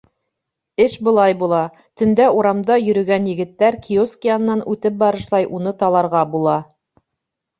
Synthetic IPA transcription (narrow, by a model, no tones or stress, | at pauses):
ɘʃbɤ̆lˠɑjbulˠɑ | t̪ɵ̆nd̪æuɾɑmd̪ɑjɵ̆ɾɵ̆ɡænjɘ̆ɡɘ̆t̪ːæɾkʰioskijɑn̆ːɑnʔʉt̪ɘp̚bɑɾɤ̆ʃlˠɑjʔunɤt̪ɑlˠɑɾʁɑbulˠɑ